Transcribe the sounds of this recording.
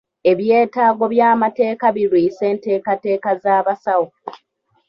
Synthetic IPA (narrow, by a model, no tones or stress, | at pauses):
e̞βje̞ːtaːɡo̞βjaːmate̞ːkaβiɾwiːse̞ːnte̞ːkate̞ːkazaːβasawo